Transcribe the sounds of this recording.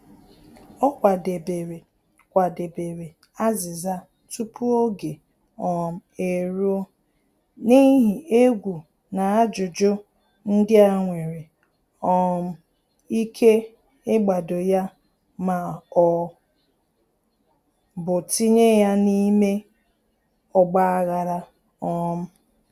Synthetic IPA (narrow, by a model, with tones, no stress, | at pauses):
ɔ˦kʷa˨de˨be˨ɾe˨ | kʷa˨de˨be˨ɾe˨ | a˦zɪ˨za˦ | tu˦pu˦o˦ɡe˨ | ɔ˨m̩˨e˨ɾo˦ | ni˦ɦi˨e˦ɡʷu˨ | na˨a˦d͡ʒʊ˨d͡ʒʊ˦ | n̩˦dɪ˦a˨ŋʷe˨ɾe˨ | ɔ˦m̩˦ | i˦kʰe˦ | ɪ˦ɡ͡ba˨do˨ja˦ | ma˨ɔ˦ | bʊ˨ti˦ɲe˦ja˦ni˦me˦ | ɔ˨ɡ͡ba˦a˦ɣa˨ɾa˦ | ɔ˦m̩˦